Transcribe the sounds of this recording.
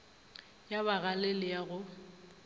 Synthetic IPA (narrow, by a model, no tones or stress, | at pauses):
jaβaɣalɪlɪjaɣʊ